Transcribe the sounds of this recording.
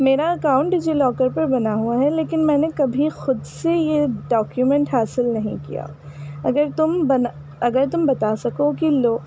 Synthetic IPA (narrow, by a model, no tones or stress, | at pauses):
meːɾaɐkaːʊ̃ɳʈɪd͡ʒilɔːkəɾpɐɾbɐnaɦuaɦɛleːkɪnmɛ̃ːnekɐbʱixʊd̪sejeɖɔːkjumɛ̃ɳʈɦaːsɪlnɐɦḭ̃kḭja̰ | ɐɡəɾt̪ʊmbɐn | ɐɡəɾt̪ʊmbɐt̪asɐkokiloː